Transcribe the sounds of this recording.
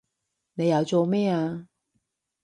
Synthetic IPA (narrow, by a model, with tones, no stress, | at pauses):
ne˨˧jɐ˨˧wt͡so˨˧mɛː˥˩a˨˧